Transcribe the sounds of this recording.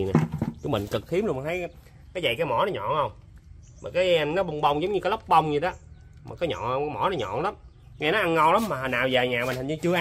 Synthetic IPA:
na˨˩t͡ɕu˨˧˦mï˨ŋ̟kɨ˨˩k̚xi˨˦əmlm˨˩nt̪ʰə˨˦j | kaː˨˦jzə̰˧˨jkaː˨˦jmɔ˧˩˦nɔ˨˦ɲɔ̰˧˨hə˧wŋ͡m | maː˨˩kaː˨˦jnɔ˨˦ɓə˧wŋ͡mɓə˧wŋ͡mzə˨˦wŋ͡mɲɨ˧kːa˨˦lə˦˥wk͡p̚ɓə˧wŋ͡mɲɨ˧ɗɔ˨˦ | maː˨˩kɔː˨˦ɲɔ̰˧˨˧kːjmɔ˧˩˦nɔ˨˦ɲɔ̰˧˨nla˨˦m | ŋa˧jnɔ˨˦ʔa˧nŋɔ˧wla˨˦mmaː˨˩ɦa˨˩naː˨˩wzaː˨˩jɲaː˨˩m˨˩a˨˩ŋɲɨ˧t͡ɕɨ˧əʔ

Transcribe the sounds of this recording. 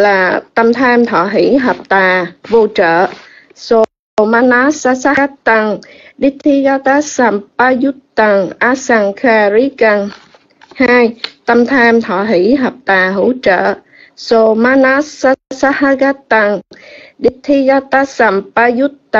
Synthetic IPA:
laː˨˩t̪ə˧mt̪ʰaː˧mt̪ʰɔ̰˧˩ɦi˧˥ɦə˨˩p̚t̪aː˨˩vo˧t͡ɕə̰ː˧˨ | so˧ | maː˧˥na˦˥sa˧sa˦˥a˦˥t̪ːa˧ŋɗi˦˥k̚t̪ʰi˦˥ɣa˧˥t̪aː˦˥sa˧˩mpaː˧zu˦˥t̚t̪ːa˧˩ŋʔa˨˦˥saː˧ŋkaː˧ɾi˦˥ka˧ŋ | haː˧jt̪ə˧mt̪ʰaː˧mt̪ʰɔ̰˧˩˨ɦi˧˥ɦəː˨˩p̚t̪aː˨˩ɦṵ˧˥t͡ɕə̰ː˧˨ | so˧ma˦˥na˦˥sa˧˦sa˦˥ha˧ɣa˦˥t̪ːa˧ŋɗi˦˥t̪ʰi˦ɣa˦t̪a˦sa˧˩mpa˧zu˦˥tt̪a˧

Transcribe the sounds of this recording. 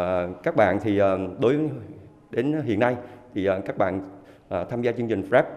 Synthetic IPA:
kaː˦˥k̚ɓa̰ː˧˨nt̪ʰi˨˩əː˨˩ɗo˨˦j | ɗe˨˦nɦḭ˧˨ənːa˧jt̪ʰi˨˩ʔəː˨˩kaː˦˥k̚ɓa̰ː˧˨n | ʔəː˨˩t̪ʰaː˧mzaː˧t͡ɕɨ˧əŋt͡ɕï˨˩ŋ̟fɛː˦˥p̚

